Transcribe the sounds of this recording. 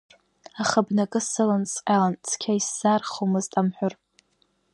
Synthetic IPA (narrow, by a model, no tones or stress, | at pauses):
aχəbnakʼɨsɨlant͡sʼqʲʼalant͡sʰkʲʰaisz̥arχomɨztʼamħʷᶣʊr